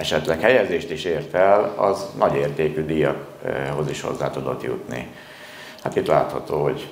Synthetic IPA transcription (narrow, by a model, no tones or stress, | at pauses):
ɛʃɛt̪lɛkhɛjɛzeːʃt̪iʃeːrt̪ɛlɒ̰znʔɒɟeːrt̪eːkyːd̪iːjɒk | ho̞ziʃho̞̰zːaːt̪ud̪o̞t̪jṵt̪nḭ | hat̪it̪la̰ːt̪hɒt̪oːɦoɟ